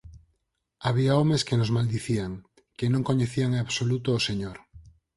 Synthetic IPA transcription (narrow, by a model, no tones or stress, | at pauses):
aβ̞iaomeskenozmald̪iθiaŋ | kenõŋkoɲeθiaŋeaβsolut̪oːseɲoɾ